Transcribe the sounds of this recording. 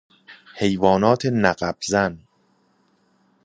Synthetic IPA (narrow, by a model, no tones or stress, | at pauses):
he̞jvɒːnɒːt̪ʰenæɢæb̥zæn